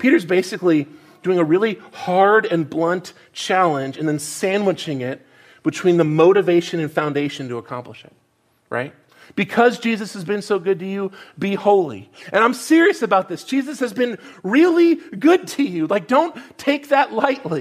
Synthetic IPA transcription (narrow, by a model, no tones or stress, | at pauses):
pʰiɾə˞zbeɪsɨkli | d̥ʉɪ̃ŋɨɹɪlˠihɑɹɾɨ̃nblʌ̃nt | t͡ʃʰælˠə̃nd͡ʒɨ̃nðɨ̃nsæ̃nwət͡ʃɪ̃ŋɪt̚ | b̥ɨtʰw̥ĩnðɨmoʊɾɨveɪʃɨ̃nɨ̃nfãʊ̃ndeɪʃɨ̃n̩tɨəkʰɑ̰̃mpləʃɨ̰t̚ | ɹʔa̰ɪt̚ | b̥ɨkʰʌzd͡ʒizɨshɨzbɨ̃nsoʊɡʊd̚tɨjɨbihoʊlˠḭʔɨ̃ɾ̃ãɪ̃msɪɹiɨsɨbaʊt̪̚ðɪsd̥ʒ̥izɨshɨzbɨ̃nɹɪlˠiɡʊd̚tʰɨjʉlaɪk̚d̥õʊ̃ntʰeɪk̚ðɨʔˡlaɪʔˡli